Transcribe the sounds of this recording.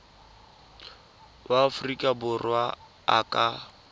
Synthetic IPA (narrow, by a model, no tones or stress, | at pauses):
waːfʊrikʼabʊrwaː | kʼa